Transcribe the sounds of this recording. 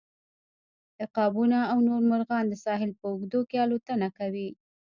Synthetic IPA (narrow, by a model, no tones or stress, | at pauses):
d̪̥əqɑbunaːwnoɾmʊɾɣɑnd̪əsɑɦɪlpəʊɡd̪okeɑlot̪ənakawi